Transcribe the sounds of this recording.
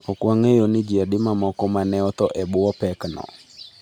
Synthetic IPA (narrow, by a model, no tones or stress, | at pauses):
ɔkwaŋejonɪd͡ʒiadɪmamɔkɔmanɛɔt̪ɔʔɛbʊɔpɛknɔ̰